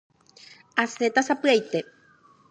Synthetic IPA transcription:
aset̪asapɨajt̪e

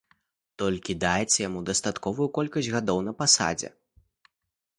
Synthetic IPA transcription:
t̪ɔlʲkʲid̪ajɛt͡sʲːɐjamud̪ɐst̪at̪kɔvujukɔlʲkɐsʲɣad̪ɔwnɐpasa̰d͡zʲɛ̰

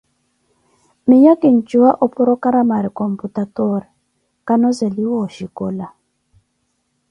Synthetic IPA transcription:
mijakin̩t͡ʃuwaʔɔpuɾɔkaɾamaɾikɔm̩putatɔɾɛ | kanɔzeliwɔʃikɔla

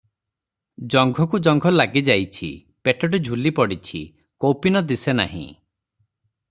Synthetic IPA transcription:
d͡ʒɔŋɡʱɔkud͡ʒɔŋɡʱɔlaɡid͡ʒajt͡ʃʰḭ | peʈɔʈed͡ʒʱulipɔɽit͡ʃʰḭ | kowpinɔd̪isena̰ɦḭ̃

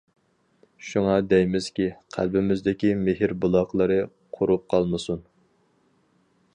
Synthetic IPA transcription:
ʃuŋɑd̪ɛjmɪz̥kʲiqʰæ̰lbɪmɪzd̪ɪkʲimɪɦɪɾbulˠɑqlˠɨɾɨ | qʰʊɾup̚qʰɑlˠmɨsun

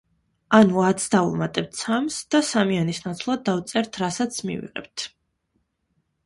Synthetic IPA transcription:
anuat̪sd̪aṵmat̪ʼɛp̚t̪ʰsʰamsd̪̥asamianisnat̪sʰlˠad̪d̪avt̪sʼɛɾt̪ʰɾasat̪sʰmḭvḭʁɛ̰b̚t̪ʰ

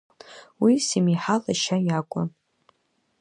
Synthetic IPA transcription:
wisimiħalaʃajakʷʼʊ̰n

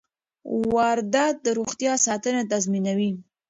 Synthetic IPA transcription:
waɾd̪at̪̚d̪əɾoxt̪jɑsɑt̪ənet̪azminawi

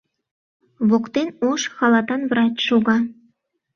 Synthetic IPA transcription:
βokt̪enoʃxɑlɑt̪ɑnvrɑt͡ɕʃuɣɑ

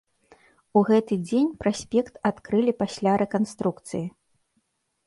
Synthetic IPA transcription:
uɣɛt̪ɨd͡zʲenʲpɾasʲpʲɛkt̪at̪kɾɨlʲipasʲlʲaɾɛkanst̪ɾukt̪sɨji

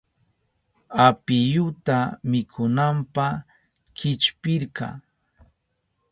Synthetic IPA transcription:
apɪjʊt̪amɪkʰʊnampa | kɪt͡ʃpɪɾkɑ̰

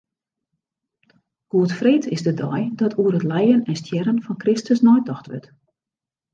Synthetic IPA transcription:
ɡ̥uətfreːtʰɪsdədɔjdɔtʰuərətlɛjənɛnstʰjɛɾənfɔnkrɪstəsnɔjtʰɔxtʋø̰t

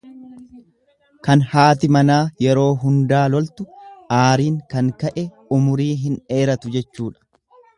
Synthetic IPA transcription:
kɐnhaːt̪̬ɪmɐnaːjɛɾo̞ːɦʊnd̪aːlɔlt̪ʊʔaːɾiːŋkɐŋkɐʔɛ | ʊmʊɾiːɦɪne̞ːɾɐt̪ʊd͡ʒɛt͡ʃːuːᶑɐ̥

